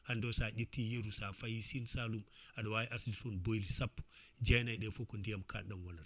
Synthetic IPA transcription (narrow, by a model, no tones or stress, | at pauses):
handosad͡ʒitːijeɾusafajisinsalumaɗawajiʔasd͡ʒisunboilisapːd͡ʒajnajɗefokundijamkʰa̰ɗanwanaɾ